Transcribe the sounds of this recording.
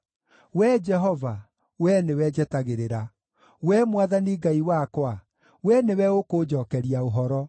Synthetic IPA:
wɛd͡ʒɛɦɔva | wɛnewɛd͡ʒɛtaɣeɾeɾa | wɛmwaðaniɡaiwakwa | wɛnewɛokoːd͡ʒɔːkɛɾiaoɦɔɾɔ

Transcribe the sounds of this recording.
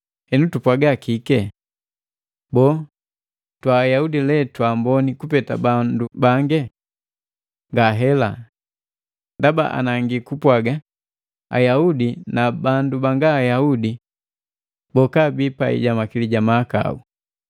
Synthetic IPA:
hɛnutupwaɡakikɛ | bɔː | twaːjaudilɛtwambɔnikupɛta̰bandubaŋɡɛ | ŋɡaɦɛla̰ | ndaba̰ʔa̰naŋɡikupwaɡa | a̰jaudinabandubaŋɡaːjaudi | bɔkabipaḭɟamakiliɟamaːka̰u

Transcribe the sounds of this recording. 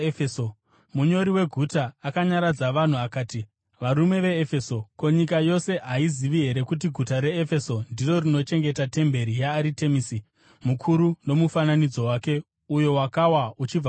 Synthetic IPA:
eo | muɲo̞ɾiwe̞ɡʱutaːkaɲaɾad͡zaʋan̤uakaːti | ʋaɾume̞ʋe̞ːfe̞so̞ko̞ɲikajo̞se̞ɦaiziʋiɦe̞ɾe̞kut̬iɡʱutaɾe̞ːfe̞so̞ndiro̞rino̞t͡ʃe̞ŋɡetate̞mbe̞ɾijaːɾite̞misi | mukʰuɾuno̞mufananid͡zo̞waːke̞ | ujo̞wakawaut͡ʃib͡va

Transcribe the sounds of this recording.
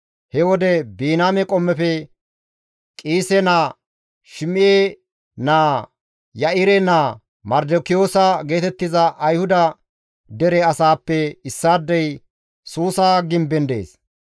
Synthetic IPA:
hɛwɔd̪ɛbiːnaːmɛkʼɔmːɛfɛ | kʼiːsɛnaː | ʃɪmɪjeː | naː | jɐʔɪɾɛnaː | mɐɾd̪okɪjoːsɐɡe̞ːt̪ɛt̪ːɪzɐʔɐjhʊd̪ɐ | d̪ɛɾɛɐsaːpːɛɪsːaːd̪ːɛj | suːsaːɡɪmbɛnd̪ḛːs

